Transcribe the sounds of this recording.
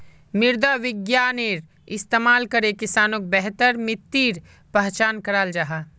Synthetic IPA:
mɪɾd̪aʋɪɡjaːneːɾ | ɪst̪eːmaːlkɐɾekɪsaːnok̚bɛɦt̪əɾmɪt̪ːiːɾ | pɐɦt͡ʃaːnkɐɾaːld͡ʒaɦaː

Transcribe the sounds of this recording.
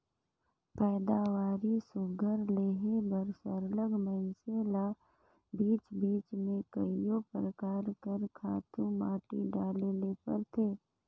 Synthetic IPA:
pɛːd̪aːʋaːɾisʊɡʱəɾleːɦebəɾsəɾləɡmənsela | biːt͡ʃbiːt͡ʃmẽkəijopɾəkaːɾkəɾkʰaːt̪ũmaːʈiɖaːlelepə̰ɾt̪ʰeː

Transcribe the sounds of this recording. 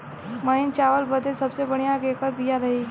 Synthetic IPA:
mɐɦɪnt͡ʃaːʋəlbəd̪esɐbsebɐɽ̃ijãkeːkəɾbijaɾɐɦe

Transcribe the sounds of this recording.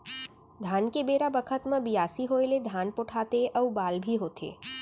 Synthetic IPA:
d̪ʱankebeɾabəkʰət̪mãbijasiɦoeled̪ʱanpoʈʰat̪eʔəʋbalbʱiɦot̪ʰḛ

